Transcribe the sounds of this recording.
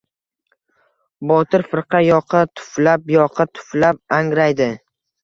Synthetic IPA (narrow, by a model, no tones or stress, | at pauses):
bɒt̪ʰɪɾfɪɾqʰɑjɒqʰɨt̪ʰʊ̥flapjɒqʰɨt̪ʰʊ̥flap̚aŋɾajd̪ɪ